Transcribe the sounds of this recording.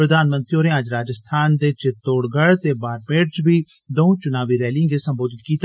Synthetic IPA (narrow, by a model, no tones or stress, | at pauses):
ɾəd̪ʱaːnmə̃nt̪ɾioːɾẽəd͡ʒɾaːd͡ʒəst̪ʰaːnd̪eːt͡ʃɪt̪ːoːɽɡəɽt̪eːbaːɾpeːʈt͡ʃbʱiː | d̪oũt͡ʃʊnaːʋiːɾɛːlɪ̃ŋɡeːsəmboːd̪ɪt̪kiːt̪ː